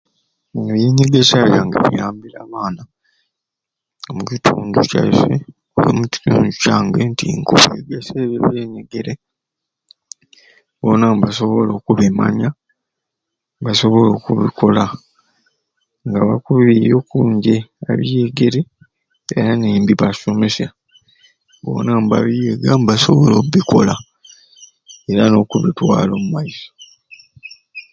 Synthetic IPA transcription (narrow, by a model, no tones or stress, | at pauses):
βjeːɲeɡesaβjaŋɡa̰βḭjaːmbilaβaːna | omucitʰuːnduca̰fe | ujo̰muci̥tṵːnducaːŋɡentiŋkuβeɡeseβeβeːɲeɡeɾe | βonambaso̞βolo̞ːkuβema̰ɲa | mbaso̞βo̞lo̞ːkuβikʰo̞la | ŋɡaβakuβijo̞kuːɲɟe̞aβijeɡe̞ɾe | eɾaneːmbiβasomesa | βo̞̰namba̰βijeɡambaso̞βo̞lo̞kuβiko̞la | e̞ɾano̞kuβitwa̰ːlo̞ːmumaiso̥